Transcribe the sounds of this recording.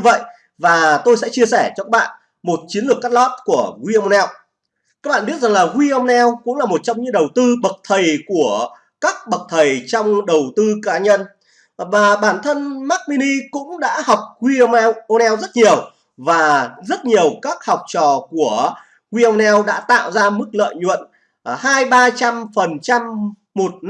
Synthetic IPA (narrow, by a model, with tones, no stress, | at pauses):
ɲ˧və̰˧˨jʔ | vaː˨˩t̪o˧jsɛ̰˧˥t͡ɕi˧əsɛ˧˩t͡ɕɔ˧kaː˦˥ɓa̰ː˧˨n | mo˨˩t̚t͡ɕi˨˦ənlɨ˨˩əkːaː˦˥lɔ˦˥t̚ku˧˩əɣwi˧ʔm˧ɛ˧w | kaː˦˥k̚ɓa̰ː˧˨ɓət̚za˨˩ŋlaː˨˩ɣwi˧ʔə˧ŋ͡mnɛ˧wkʊ̰˧˥ŋ͡mlaː˨˩mo˨˩t̚t͡ɕɔ˧wŋ͡mɲɨ̰˧˥ŋɗə˨˩wt̪ɨ˧ɓə˨˩k̚t̪ʰə˨˩jku˧˩ə | kaː˦˥k̚ɓə˨˩k̚t̪ʰə˨˩jt͡ɕɔ˧wŋ͡mɗə˨˩wt̪ɨ˧kaː˨˦ɲə˧n | vaː˨˩ɓaː˧˩nt̪ʰə˧nma˦˥k̚mi˧ni˧kʊ̰˧˥ŋ͡mɗa̰ː˧˥ha˨˩wk͡p̚ɣwi˧wʔo˧nɛ˧wzə˦˥t̚ɲi˨˩əw | vaː˨˩zə˦˥t̚ɲi˨˩əwkaː˦˥k̚hɔ˨˩wk͡p̚t͡ɕɔ˨˩ku˧˩ə | ɣwi˧ʔə˧ŋ͡mnɛ˧wɗa̰ː˧˥t̪a̰ː˧˨wzaː˧mɨ˦˥k̚lə̰ː˧˨jɲwə̰˧˨n | haː˧jɓaː˧t͡ɕa˧mfə˨˩nt͡ɕa˧m | mo˨˩t̚n